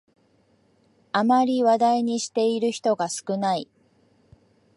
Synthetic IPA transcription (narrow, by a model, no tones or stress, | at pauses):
amaɾʲiβad̪aiɲ̟iɕi̥t̪e̞iɾɯ̟çi̥t̪o̞ɡasɨ̥kɯ̟nai